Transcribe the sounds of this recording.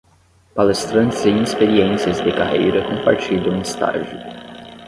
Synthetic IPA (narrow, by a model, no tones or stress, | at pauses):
palest̪ɾɐ̃nt̪ɪzẽj̃ispeɾiẽsiɐzd̪ɪkahḛjɾɐkõpa̰ɾt͡ʃid̪ɐ̃w̃ist̪a̰ʒʊ